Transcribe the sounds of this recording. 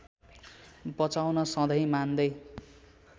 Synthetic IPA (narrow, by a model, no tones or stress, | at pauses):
bʌt͡sawnʌsʌ̃d̪ʌjmand̪ʌj